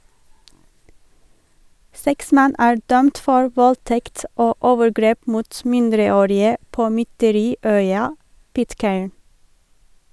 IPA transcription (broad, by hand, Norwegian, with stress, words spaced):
ˈsɛks ˈmɛn ˈæː ˈɖœmt ˈfɔɹ ˈʋɔlˌtɛkt ˈoː ˈʔoːʋəɾˌɡɾeːp ˈmuːt ˈmɪndɾəˌoːɾɪə ˈpoː mʏtəˈɾiːˌœʏɑ ˈpɪtˌkeːɳ